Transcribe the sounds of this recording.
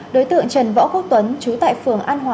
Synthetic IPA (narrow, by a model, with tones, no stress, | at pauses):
ɗo˨˦jt̪ɨ̰˧˨əŋt͡ɕə˨˩nvɔ̰ː˧˥ku˦˥k̚t̪wə˨˦nt͡ɕu˨˦t̪a̰ː˧˨jfɨ˨˩əŋʔaː˧nɦwaː˨˦